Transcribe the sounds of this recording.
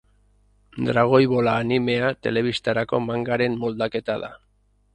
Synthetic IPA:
d̪ɾaɣ̞o̞jβo̞laːnime̞at̪e̞le̞βist̪aɾako̞̰maŋɡaɾe̞mːo̞ld̪ake̞t̪aða̰

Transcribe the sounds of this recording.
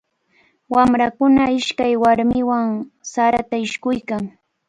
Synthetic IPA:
wamɾakʊnaɪʃkajwaɾmɪwaŋsaɾat̪aɪʃkʊjkaŋ

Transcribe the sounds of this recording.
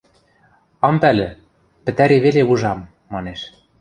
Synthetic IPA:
ɑmpælɘ̆ | pɘ̆t̪æɾeβeleuʒɑmː | ɑneʃ

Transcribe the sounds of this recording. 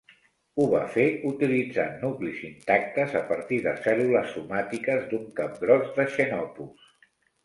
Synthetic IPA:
uβa̰feut̪ilid͡za̰nuklizint̪ak̚t̪əzəpəɾt̪iðəsɛluləsːumat̪ikəzd̪uŋkap̚ɡɾɔzðəʃənɔpus

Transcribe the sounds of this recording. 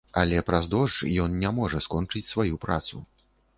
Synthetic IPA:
ɐlʲɛpɾazd̪ɔʐt͡ʂjɔnnʲamɔʐɐskɔnt͡ʂɨt͡sʲsvajupɾa̰t̪sṵ

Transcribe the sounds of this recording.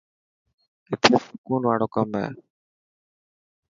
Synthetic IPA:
ɪt̪ʰeːsʊ̥kuːnʋaːɽoːkəmɛ̰ː

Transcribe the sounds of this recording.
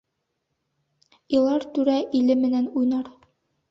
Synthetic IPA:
ilˠɑɾt̪ʉɾæʔilɘmɘ̆nænujnɑɾ

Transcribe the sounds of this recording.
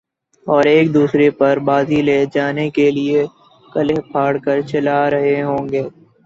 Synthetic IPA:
ɔːɾeːk̚d̪uːsɾepɐɾbaːzileːd͡ʒaːnekelie | kɐlepʰaːɽkɐɾt͡ʃɐlaɾɐɦeɦõːŋɡeː

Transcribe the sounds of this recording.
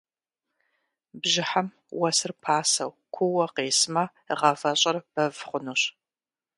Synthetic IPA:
bʒɪħam | wɐsɨrpʰaːsɐ̰w | kʷʰʊwɐqeːsmɐ | əʁɐfɐɕʼɐrb̥ɐvχʷʊnuɕ

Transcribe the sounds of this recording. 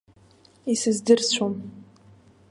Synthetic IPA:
isɨzdɨrt͡ɕʷʰom

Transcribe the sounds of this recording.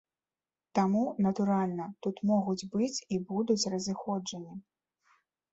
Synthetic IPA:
t̪amunɐt̪uɾalʲnɐt̪ut̪mɔɣud͡zʲbɨt͡sʲibud̪ut͡sʲrɐzɨxɔd͡ʐɐnʲi

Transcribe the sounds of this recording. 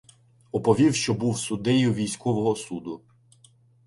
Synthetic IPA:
ɔpɔʋʲiwʃt͡ʃɔbuwsʊd̪ɛjʊʋʲijsʲkɔʋɔɦɔsud̪ʊ

